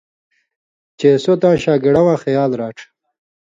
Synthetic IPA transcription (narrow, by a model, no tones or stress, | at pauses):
t͡ɕeːsot̪ãːɕaːɡiɽawãːxɐjaːlɾaːʈ͡ʂʰ